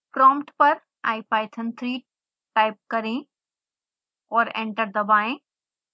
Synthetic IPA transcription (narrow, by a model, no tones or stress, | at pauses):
pɾɔ̃ːmpʈpɐɾ | a̰ːipaːɪt̪ʰənt̪ʰɾiː | ʈaːɪp̚kɐɾẽː | ɔːɾḛ̃ɳʈəɾd̪ɐbaːɪ̃